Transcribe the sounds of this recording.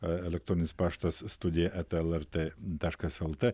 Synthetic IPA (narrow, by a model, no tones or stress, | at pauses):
ɛlʲɛk̚t̪ɾonʲɪspaʂt̪ɐsːt̪ud̪ʲɪjɐʔɛt̪ɛlˠɛɾt̪et̪aʃkɐsɛlˠt̪e